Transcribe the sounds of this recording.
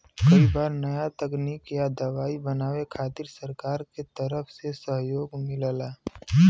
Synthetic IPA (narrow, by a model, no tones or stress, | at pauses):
kəibaːɾnəjat̪əkniːkjad̪əʋaːibənaːwekʰaːt̪ɪɾsəɾkaːɾket̪əɾəpʰsesəɦjoːɡmɪləlaː